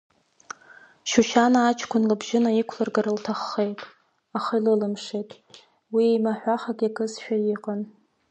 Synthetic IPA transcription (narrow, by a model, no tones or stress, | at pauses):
ʃuʃanaːt͡ʃʰkʷʰʊnlɨbʒɪnaikʷʰlarɡaɾɨltʰaχːe̞jtʼ | aχailɨlɨmʂejtʼ | wiejmaħᶣʷaχaɡʲakʰʼɨsʃᶣajiqʼan